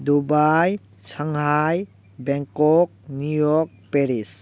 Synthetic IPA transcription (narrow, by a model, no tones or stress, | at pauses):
dubaj | saŋɦaj | bɛŋkɔk̚nujɔɾk̚peɾis